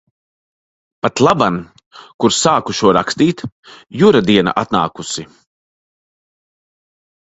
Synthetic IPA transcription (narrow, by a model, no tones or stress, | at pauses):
pat̪lˠaban | kuɾsaːkuʃuɔɾakst̪iːt̪ | juɾad̪iɛna̰ʔat̪na̰ːkusi